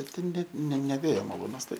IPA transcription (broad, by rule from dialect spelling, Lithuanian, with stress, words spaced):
ˈbʲɛt tʲɛn ˈnʲɛt nʲɛ nʲɛ ˈʋʲeːjoː mɐˈlˠuːnɐs ˈtɐɪ